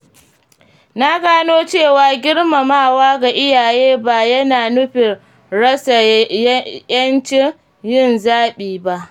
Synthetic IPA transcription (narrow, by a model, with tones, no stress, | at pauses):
na˦ɡaː˦noː˦t͡ʃeː˦˨waː˨ɡʲɪ˦ɽma˨maː˦˨waː˦ɡa˨ʔɪ˦jaː˨jeː˦baː˨jɐ˦naː˨nʊ˦ɸɪ˨ | ɽɐ˦sa˨jjɐ˦nt͡ʃɪ˦ | jɪ˦˨nzaː˦ɓiː˨ba˨ʔ